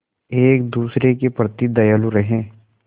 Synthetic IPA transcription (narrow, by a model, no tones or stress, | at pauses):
eːk̚d̪uːsɾekepɾət̪id̪ɐjaluɾɐɦẽː